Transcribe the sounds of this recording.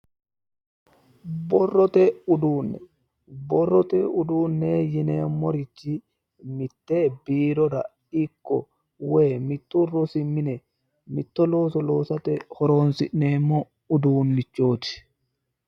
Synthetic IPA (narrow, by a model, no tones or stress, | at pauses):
bɔrːɔt̪ɛuduːnːɛ̰ | bɔrːɔt̪ɛuduːnːɛjinɛmoɾit͡ʃːi | mit̪ːɛbiːɾɔda̰ | ikːɔ̰ | wɛmit̪ːurosimːinɛ | mit̪ːɔlɔsɔlɔːsat̪ɛhɔɾɔnsinɛmɔ | uduːnːit͡ʃːoːti̥